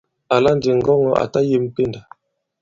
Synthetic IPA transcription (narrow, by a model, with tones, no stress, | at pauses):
a˨la˦n˦d͡ʒi˨ŋ˨ɡɔ˦ŋɔ˦a̰˨ta˦je˦m̩˦pe˦˨nda˨